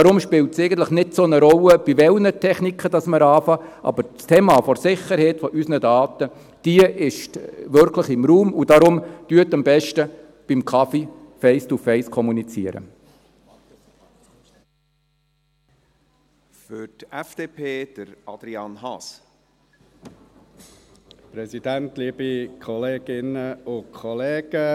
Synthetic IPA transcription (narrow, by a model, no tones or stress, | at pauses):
ɑɾʊmʃpɪltsɛɪɡən̩t̪ləχnɪdsonəɾɔlːəb̥iʋɛlnətʰɛχnikχəd̥ɑsməɾɑːfɑʔɑ̰bəɾstʰeːmɑːfɔɾsɪχːəɾhɛɪtfɔʔysnədɑːt̪ə | d̥iəʔɪʃʋʏɾkʰləχɪmɾuːmud̥ɑɾʊmd̥yətɑmbɛʃtə | b̥imkʰɑfi | fɛɪstufɛɪskʰɔmunit͡sḭəɾə̰ | fʏtɛfd̥eːpʰeːd̥əɾɑd̥̪ɾiɑnhɑs | pɾɛzid̥æntliːbikʰχɔleːɡ̥ɪnəʊkʰɔleːɡ̥ə